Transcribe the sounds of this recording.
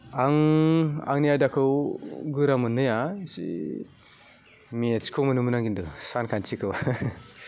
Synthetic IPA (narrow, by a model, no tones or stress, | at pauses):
aŋ | a̰ŋnijajdakʰɯwɡɯɾamɯnːɯjasḭ | miet͡ʃkʰɯwmɯnɯmənaŋɡindɯsankʰant͡ʃikʰɯw